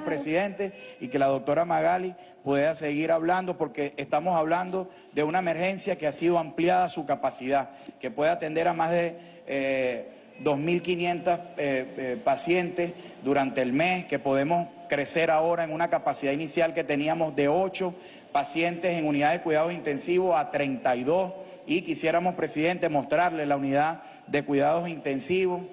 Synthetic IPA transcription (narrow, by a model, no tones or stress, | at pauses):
pɾesiðe̞nt̪e̞sike̞lað̞o̞k̚t̪o̞ɾamaɣali | puðease̞ɣiɾaβland̪o̞po̞ɾke̞est̪amo̞saβland̪o̞ | d̪e̞unaeme̞ɾxe̞nsjake̞asiðo̞ampljaðasukapasiðake̞pwe̞ðeat̪e̞nd̪e̞ɾamazðe̞ | ðo̞smilkinjẽ̞nt̪asepasje̞nt̪e̞sd̪uɾant̪e̞ːlme̞ske̞po̞ð̞e̞mo̞s | kɾe̞se̞ɾaoɾae̞ŋunakapasiðainisjalke̞t̪e̞niamo̞zðe̞o̞t͡ʃo̞ | pasje̞nt̪e̞se̞ŋuniðaðe̞kwiðað̞o̞sint̪e̞nsiβosat̪ɾe̞nt̪ajðo̞s | ikisje̞ɾamo̞spɾesiðe̞nt̪e̞mo̞st̪ɾaɾlelauniða | ðe̞kwiðað̞o̞sint̪e̞nsiβ̞o̞s